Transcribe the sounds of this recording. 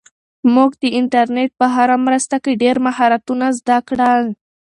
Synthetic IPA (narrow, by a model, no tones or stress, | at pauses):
muɡd̪əɪɳʈaɾneʈ̚pəɦaɾamɾəst̪akeɖeɾmaɦɑɾat̪unazd̪akɽal